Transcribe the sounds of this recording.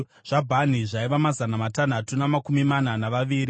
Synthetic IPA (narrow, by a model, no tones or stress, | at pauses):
ʐ̥abʱan̤iʐaiʋamazanamatan̤atunamakumimananaʋaʋiːɾi